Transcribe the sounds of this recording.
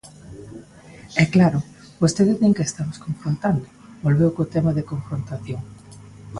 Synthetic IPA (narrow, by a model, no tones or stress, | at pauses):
ɛklaɾʊ | bost̪eðɪeŋkest̪amoskoɱfɾont̪and̪ʊbolβewkot̪ɛmɐðɪkoɱfɾont̪aθjoŋ